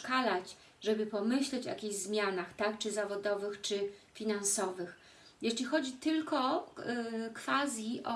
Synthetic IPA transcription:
kalat͡ɕ | ʐɛbɘpɔmɘɕlɛt͡ɕja̰kʲiʑzmʲjanaxt̪ak̚t͡ʂɘzavɔd̪ɔvɘxt͡ʂɘfʲinansɔvɘx | jɛʂlʲixɔd͡ʑit̪ɘlkɔ | kfazʲjiʔɔ

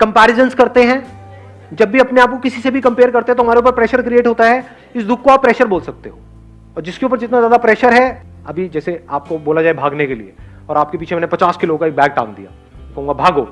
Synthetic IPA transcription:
kɐ̃mpɛːɾɪzənskɐɾt̪eɦɛ̃ː | d͡ʒɐbːiɐpneaːp̚kokɪsisebʱikɐ̃mpeːəɾkɐɾt̪eɦɛ̃t̪oɦɐmaːɾeuːp̬əɾpɾɛːʃəɾkɾieːʈɦoːt̪aɦɛ | ɪsd̪ʱʊkːoaːpːɾɛːʃəɾboːlsɐk̚t̪eɦoː | ɔːɾd͡ʒɪskeuːp̬əɾd͡ʒɪt̪nazjaːd̪apɾɛːʃəɾɦɛ | ɐ̰bʱid͡ʒɛːseaːp̚koboːlad͡ʒaːebʱaːɡnekelḭḛ | ɔːɾaːp̚kep̬iːt͡ʃʰemɛːnepɐt͡ʃaːskɪlokaek̚bɛːɡ̚ʈa̰ːmd̪ḭja̰ː | kɐɦũŋɡabʱaːɡoː

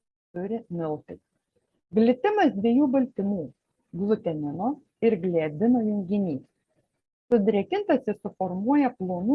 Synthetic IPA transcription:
t̪ʊɾʲɪmʲɪlˠt̪ʲɪs | ɡlʲɪt̪ʲɪmɐsd̪ʲʋʲiɛjuːbɐlʲt̪ʲɪmuː | ɡlˠʊt̪ʲɛnʲɪnoː | ɪɾɡlʲæːd̪ʲɪnoːjʊŋʲɡʲɪnʲiːs | sʊd̪ʲɾʲɛkʲɪnt̪ɐsʲɪsʊfɔɾmuɔjɛplˠoːnu

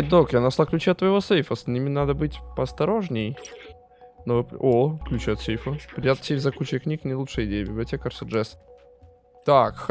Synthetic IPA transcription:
d̪okjanɐslˠaklʲʉt͡ɕɛɐt̪vəjɪvosejfəsnʲimʲɪnad̪əbɨtʲpəɐst̪ɐɾoʐnʲɪj | novɨpoklʲʉt͡ɕɛɐt̪sejfəpɾɪjʲat̪sʲejfzɐkut͡ɕɪjknʲiknʲəɪlˠut͡ʂʂəjɪdʲejəbʲɪblʲɪɐtʲekərsɨʐɛs | t̪akx

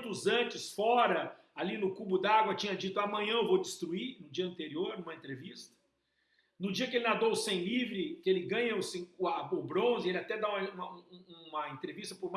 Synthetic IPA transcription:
t̪ʊzɐ̃t͡ʃɪsfɔɾɐ | alinʊkubʊd̪aɡwɐt͡ʃĩɲɐd͡ʒit̪ʊamɐ̃ɲɐ̃ewvowd͡ʒɪst̪ɾuinʊd͡ʒiɐ̃nt̪eɾioɾnũmɐẽnt̪ɾevist̪ɐ̥ | nʊd͡ʒiɐkɪelɪnad̪owʊsẽj̃livɾɪkɪelɪɡɐ̃ɲɐʊsĩaʊbɾõzɪelɪat̪ɛd̪aũmɐũmɐ̃ũmɐẽnt̪ɾevist̪ɐpʊɾm

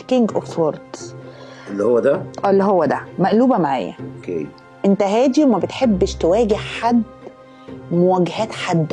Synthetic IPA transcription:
kiŋɡʔofoɾˤt̪ | elːihowːæd̪æʔæːlːiɦowːæd̪æmæʔluːbæmaʕa̰ːjːæ̰ʔokḛ | ʔent̪æɦæːd̪iwmæbet̪ħebːʃt̪ewæːɡehħad̪ | mowæɡhæːt̪ħad̪ː

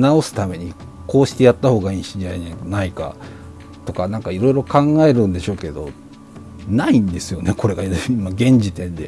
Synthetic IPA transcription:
nao̞sɨ̥t̪ame̞ɲ̟i | ko̞ːɕi̥t̪e̞jat̪ːaho̞ːɡaĩːɕiaaenaika̰ | t̪o̞kanãŋkaiɾo̞iɾo̞kãŋɡae̞ɾɯ̟̃nd̪e̞ɕo̞ːke̞d̪o̞̰ | naĩnd̪e̞sɨjo̞neko̞ɾe̞ɡaiimaɡẽ̞ɲd͡ʑit̪ẽ̞nd̪e̞̰

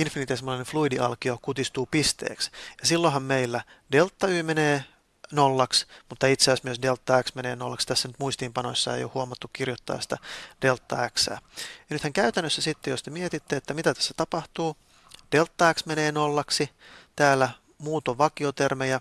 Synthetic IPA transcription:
infinit̪esemːolɑinefluidiʔɑlkiokut̪ist̪uːpist̪ḛːksjɑsilːoɦɑmmeilːæ | delt̪ːɑyːmeneː | nolːɑksmut̪ːɑit̪seɑsmyøsdelt̪ːɑæksmeneːnolːɑksi̥t̪æsːænyt̪muist̪iːmpɑnoisːɑḛjo̰huɑmɑt̪ːukkirjot̪ːɑ̰ːsi̥t̪æd̥e̞lt̪ːɑ̰æksæ̰ːjɑnyt̪hæŋkæyt̪ænːøsːæsit̪ːejost̪emiet̪it̪ːeet̪ːæmit̪æt̪æ̥sːæ̥t̪ɑpɑht̪uː | d̥elt̪ːɑæksmeneːnolːɑksit̪æːlːæ | muːt̪oʋʋɑkiot̪ermejɑ

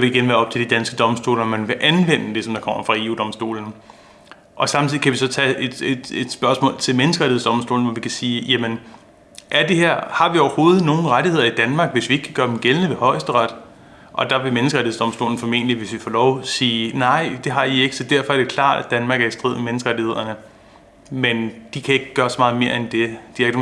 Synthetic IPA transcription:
ʋe̝iɡ̥enʋæːɐɒ̽b̥̚t͡sʰe̝ld̥id̥ænsɡ̥əd̥ɒ̽msd̥o̝̰ːlɐɒmænʋe̝ʔænʋen̰əd̥e̝sɒ̽md̥ɑ̈kʰɒ̽m̰ɐfʁɑ̈e̝ṵːd̥ɒ̽msd̥o̝̰ːln̩ | ʔɒ̽sɑ̈mt͡sʰiðˠikʰæʋisɒ̽t͡sʰɛed̥ed̥e̝d̥sb̥ɶɐsmɔ̰ːlt͡sʰe̝lmenəsɡ̥əʁaɾihesd̥ɒ̽msd̥o̝̰ːln̩ʋɒʋikʰæsiːjæmən | ʔæɐd̥e̝ɦeɐ̰hɑ̈ʋiɒʊɐho̝ːð̞̩ˠno̝ːn̩ʁaɾihe̝ð̞̰ˠɐid̥ænmɑ̈ːɡ̥ʋe̝sʋie̝ɡ̥kʰæɡ̥ɶːɐd̥emɡ̥elnəʋe̝hɒ̽ɪsd̥əʁɑd̥ | ʔɒ̽d̥ɑ̈ʋe̝menəsɡ̥ʁaɾihesd̥ɒ̽msd̥o̝ːln̩fɒ̽me̝̰ːnəliʋe̝sʋifɒ̰ːlɒʊsiːnɑ̈ɪ̰d̥e̝ɦɑ̈ie̝ɡ̥ə̥sɒ̽d̥æɐfɒ̽æɐd̥e̝kʰlɑ̰̈ːd̥æd̥ænmɑ̈ːɡ̥æɐ̥sd̥ʁḭð̩ˠmenəsɡ̥ʁɑ̈ɾihe̝ð̰ˠɐnə | mend̥ikʰæe̝ɡ̥əɡ̥ɶːɐsɒ̽mɑ̈ːð̞̩ˠme̝ːɐend̥e̝d̥iaɡ̥

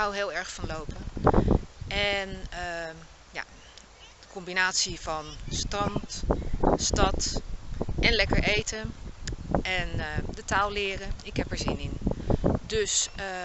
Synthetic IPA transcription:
ɦawɦɪːlˠɛɹχfɑnlowpən | ɛnə | ja̰ː | d̥əkɔmbinaːtsiv̥ɑnstrɑnt | stɑt | ʔɛnlɛkəɹʔejtən | ɛndətaːlˠlɪːrəɪkɦɛpɛɹzɪnɪndɵsə

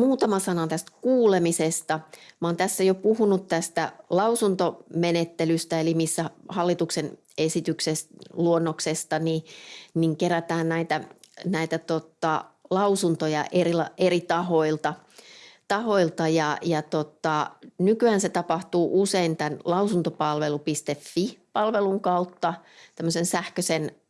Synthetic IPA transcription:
muːt̪ɑmɑsɑnɑnt̪æst̪kuːlemisest̪ɑmoːnt̪æsːæjopuhunut̪t̪æst̪ælɑusunt̪omenet̪ːelyst̪æelimisːæhɑlːit̪uksen | esit̪yksesluonːoksest̪ɑniniŋkeɾæt̪æːnnæit̪æ | næit̪æt̪ot̪ɑlɑusunt̪ojɑ̰ʔerilɑʔeɾit̪ɑɦo̞ilt̪ɑ | t̪ɑhoilt̪ɑjɑjɑt̪ot̪ɑnykyænset̪ɑpɑht̪uːʔuseint̪ænlɑusunt̪opɑlʋelupist̪efːipɑlʋeluŋkɑut̪ːɑt̪æmːøsensæhkøsen

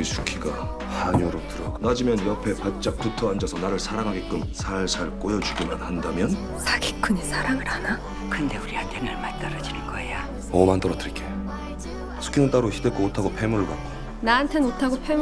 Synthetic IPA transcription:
isʰu̥kʰiɡa | haɲoɾotɯɾʌɡnad͡ʑimjʌnjʌpʰe̞pat̚t͡ɕ͈ak̚p͈utʰʌɦand͡ʑʌsʰʌnaɾɯɭsʰaɾaŋɦaɡek͈ɯmsʰaɭsʰaɭk͈ojʌd͡ʑuɡimanhandamjʌn | sʰaɡik͈uɲisʰaɾaŋɯɾhana | kʰɯnde̞uɾiatʰenaɭmat͈aɾʌd͡ʑinɯnɡ̥ʌeja | ʌmant͈ʌɾʌtʰɯɭk͈ʰe | sʰu̥kʰinɯnt͈aɾoçʰidek͈ootʰaɡopʰemuɾɯɭpak͈oj | naːntʰe̞notʰaɡopʰem

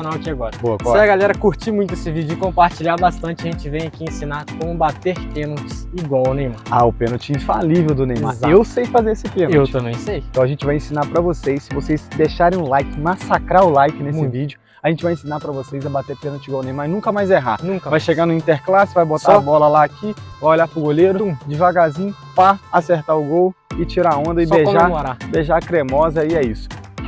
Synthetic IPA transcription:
onawɐkiaɡɔɾɐboɐkɔɐɡalɛɾɐkuɾt͡ʃimũj̃t̪ʊesɪvid͡ʒʊɪkõpaɾt͡ʃiʎaɾbast̪ɐ̃nt͡ʃɪɐʒẽnt͡ʃɪvẽj̃ɐkiẽsĩnaɾkõmʊbat̪eɾpẽnot͡ʃɪ̥siɡwawʊnẽj̃maaʊpẽnot͡ʃɪĩfalivewd̪ʊnẽjmazewsejfazeɾesɪpẽnoewt̪ɐ̃bẽj̃sej̃t̪ɐ̃w̃ɐʒẽnt͡ʃɪvajẽsĩnaɾpɾɐvosejsːɪvosejsd̪eʃaɾẽj̃ʊ̃lajkɪmasakɾaɾʊlajkɪnessɪvid͡ʒʊ | aʒẽnt͡ʃɪvajẽsĩnaɾpɾɐvosejzɐbat̪epẽnɐt͡ʃiɡawnẽj̃maɪnũkɐmajzeɦa̰nũkvajʃeɡanʊĩnt̪eɾklasɪvajbot̪aaabɔlɐlaːkivajoʎapɾʊɡoleɾʊũd͡ʒɪvaɡazĩɲʊ | pɐaseɾt̪aɾʊɡowɪt͡ʃiɾaõnd̪ɐɪbeʒaaɾabeʒakɾemɔzɐiɛisʊ̥

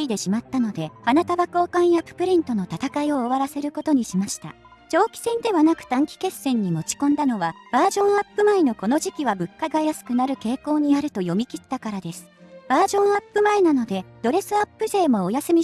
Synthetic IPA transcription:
id̪e̞ɕimat̪ːano̞d̪e̞anat̪aβako̞ːkãɰ̃japːɯ̥pɯ̟ɾʲĩnt̪o̞no̞t̪at̪akaio̞ːβaɾase̞ɾɯ̟ko̞t̪o̞ɲ̟iɕimaɕi̥t̪a̰ | t͡ɕo̞ːkʲi̥sẽ̞nd̪e̞βanakɯ̟̥t̪ãŋkʲi̥ke̞sːẽ̞ɲ̟ːimo̞t͡ɕi̥kõnd̪ano̞βab̥aːʑõ̞ɰ̃apːɯ̟maeno̞ko̞no̞ʑikʲiβabɯ̟kːaɡajasɨ̥kɯ̟naɾɯ̟ke̞ːko̞ːɲ̟iaɾɯ̟t̪o̞jo̞mʲikʲit̪ːakaɾad̪e̞sɨ̥b̥aːʑõ̞ɰ̃apːɯ̟maenano̞d̪e̞d̪̥o̞ɾe̞sɨapːɯ̟ze̞ːmo̞ːjasɨmʲi

